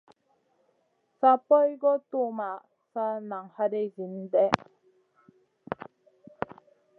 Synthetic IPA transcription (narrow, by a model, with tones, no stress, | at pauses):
sa˦pɔ˦jɡɔ˦t̪u˦˨ma˨ | sa˦na˨ŋha˦de˦zi˨˦n˦dɛ˦